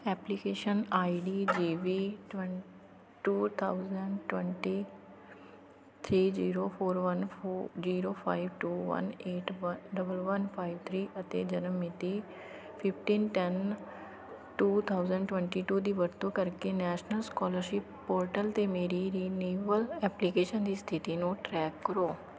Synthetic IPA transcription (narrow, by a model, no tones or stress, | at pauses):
ɛːplikeːʃənaːiɖiːd͡ʒiːʋiʈ | ʈuːt̪ʰaːʊzəɳɖʈwɛ̃ɳʈiː | t̪ʰɾiːd͡ʒiːɾoːpʰoːɾʋənziːɾoːpʰaːiʋʈuːʋə̰neːʈɖəbəlʋənpʰaːiʋt̪ʰɾiːʔət̪ḛːd͡ʒənəmɪt̪iː | pʰɪpʰʈiːnʈɛn | ʈuːt̪ʰaːʊzəɳɖʈwɛ̃ɳʈiːʈuːd̪iːʋəɾt̪õːkəɾkeːnɛːʃnəlskɔːləɾʃɪpːɔːɾʈəlt̪eːmeːɾiːɾiːneːʋəlɛːplikeːʃənd̪iːst̪ʰɪt̪iːnũːʈɾɛːkːəɾoː